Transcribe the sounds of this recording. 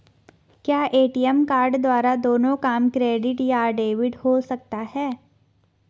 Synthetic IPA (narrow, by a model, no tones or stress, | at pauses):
kjaːʔeːʈijəmkaːɾɖd̪waːɾad̪oːnõkaːmkɾeːɖɪʈjaːɖeːʋɪɖhosɐk̚t̪aɦɛː